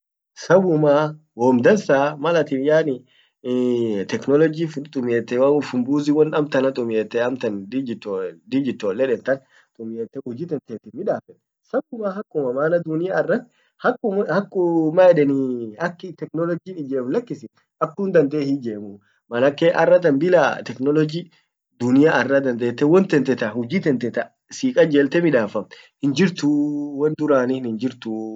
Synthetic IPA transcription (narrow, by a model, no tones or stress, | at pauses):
sɐbʊmaː | wɔːmd̪ɐnsaːmɐlɐt̪ɪnjaːnɪ | t̪ɛknɔlɔd͡ʒiːfʊt̪ʼʊmeːt̪ːɛwaʊfʊmbuːziwɐnɐmt̪ɐnɐt̪ʼʊmjeːt̪ːɛɐmt̪ɐnid͡ʒt̪ːd̪ɪd͡ʒɪt̪ːoːlːɛᶑɛnt̪ɐn | t̪ʼʊmjeːt̪ːɛhʊd͡ʒɪːt̪ɛnt̪eːt̪ːɪnmɪᶑaːfɛt̪ː | sɐbʊmaːɦɐkːʊmɐmaːnɐd̪ʊnɪjaːɪrːɐt̪ː | hɐkːʊmhɐkʼːʊmaɛᶑɛniɐkːɪt̪ɛknɔlɔd͡ʒiːᶑɪd͡ʒeːmlɐkːɪsɪ | ɐkːʊnd̪ɐnd̪eːhid͡ʒeːmʊ | mɐlɐkːeʔɐrːɐt̪̬ɐnbɪla̰t̪ɛknɔlɔd͡ʒi | d̪ʊnɪjaɐrːɐd̪ɐnd̪eːt̪ːɛwɔnt̪ɛnt̪ɛt̪ɐhʊd͡ʒiːt̪ɛnt̪ɛt̪ɐ | siːkʼɐd͡ʒeːlt̪ɛmɪᶑaːfɐm | hɪnd͡ʒɪɾt̪ʊwɐnd̪ʊɾaːniɪnhɪnd͡ʒɪɾt̪ʊ